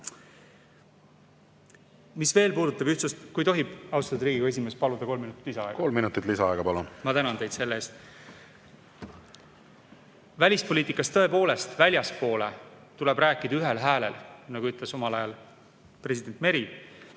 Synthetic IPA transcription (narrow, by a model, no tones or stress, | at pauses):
misve̞ːlpuːd̪ut̪ːˑɑbyht̪sust̪kujt̪o̞ɦib̥ɑwst̪ɑd̪ɾiːɡiɡ̥e̞s̬ʲime̞spɑlud̪̥ɑko̞lminut̪i̥t̪ːlisɑɑ̰ḛko̞lminut̪ːˑit̪lisɑɑeɡ̥ɑpɑlunmɑt̪ænɑnt̪e̞jd̪se̞lːeeːst̪ | vælʲispo̞liːt̪ːˑikːˑɑst̪ɤ̞e̞po̞ːle̞st̪vælʲjɑspo̞ːlḛ | t̪ule̞bɾæːkːˑid̪̥ɑyɦe̞lɦæːle̞̰lnɑɡuyt̪ˑle̞so̞mɑlɑjɑl | pre̞sʲid̪̥e̞nt̪me̞ɾi